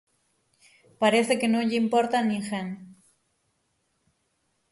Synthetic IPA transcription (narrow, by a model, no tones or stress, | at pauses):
paɾeθekenoʎeimpoɾt̪anĩŋxen